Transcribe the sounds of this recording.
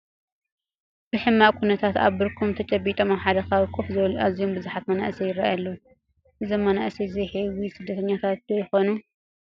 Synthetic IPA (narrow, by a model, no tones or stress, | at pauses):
b̥ɨħɨmːakʰunɐt̪ʰat̪a̰βbɨɾkʰumt̪ʰɐt͡ʃʼɐbːit̪ʼɐmaħad̪ɐkʰaβkʰufzɐwluʔazijombɨzuħat̪mɐna̰ʔsɐjɪɾajalːo | ʔɨzɐmːɐnaʔsɐziħewisɨd̪ːɐt̪ʰɐɲːat̪ʰat̪d̪ɐjɪxonu